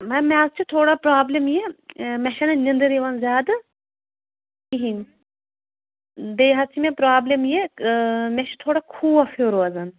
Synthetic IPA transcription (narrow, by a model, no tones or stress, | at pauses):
mɐmɛzt͡ʃʰit̪ʰoːɽapɾaːblʲɐmjemʲɛʃɐnɐnʲind̪ɨɾiʋɐnzʲaːd̪ɨ | iɦinʲ | d̪eːɦɐt͡ʃʰimepɾaːblʲɐmje | mɛʃɐ̥t̪ʰoːɽakʰuːɐfoːɾoɐzɐn